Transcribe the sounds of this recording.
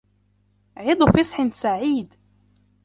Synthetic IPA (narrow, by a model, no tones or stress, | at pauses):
ʕɪd̪ˤfɪsˤħɪnsaʕiːd̪